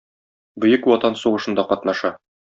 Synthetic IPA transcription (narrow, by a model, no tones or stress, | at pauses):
bɵ̆jɘkwɒt̪ɑnsuʁɤ̆ʃɤ̆nd̪ɑqɒt̪nɑʃɑ